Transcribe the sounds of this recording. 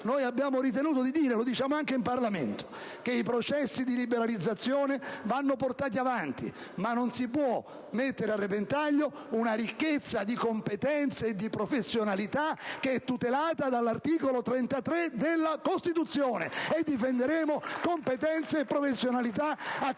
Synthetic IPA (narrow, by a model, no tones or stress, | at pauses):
noːjabːjaːmoɾit̪̬enuːt̪̬od̪id̪iːɾelod̪it͡ʃaːmoaŋkeimparlamḛnt̪o̥ | keipɾot͡ʃɛsːid̪ilibeɾalid̪zːat̪sːjoːnevanːoport̪aːt̪̬iavant̪ḭ | manːonsipwɔ | mːet̪ːeɾearːepent̪aʎːo | unaɾikːet̪sːad̪ikompet̪ɛnt̪seːd̪ːipɾofesːjonalit̪ak̟eɛt̪ːut̪elaːt̪ad̪alːart̪iːkolot̪ɾent̪at̪ɾed̪elːakost̪it̪ut̪sːjoːnḛed̪ːifend̪eɾeːmokompet̪ɛnt̪seːpːɾofesːjonalit̪aa